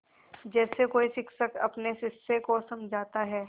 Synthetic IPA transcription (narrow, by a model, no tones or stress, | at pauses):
d͡ʒɛːsekoːiʃɪkʃəkɐpnesɪsːekosɐmd͡ʒʱaːt̪aɦɛː